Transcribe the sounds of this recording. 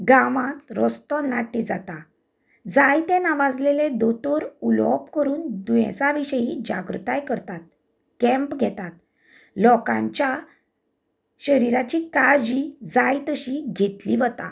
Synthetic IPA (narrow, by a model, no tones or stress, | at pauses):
ɡaʋãt̪ɾɔst̪ɔ̃naʈːid͡zat̪a | d͡zajt̪ɛ̃naʋad͡zleled̪ɔt̪ɔɾulɔ̰pkəɾuːnd̪uɛ̰̃t͡saʋiɕəjid͡ʑa̰ɡɾṵt̪ajkəɾt̪at̪̚ | kɛ̃mpɡʱɛt̪at̪ | lɔkã̰ɲt͡ɕja | ɕəɾiɾat͡ɕikaɾd͡ʑid͡zajt̪əɕiɡʱet̪liʋət̪a̰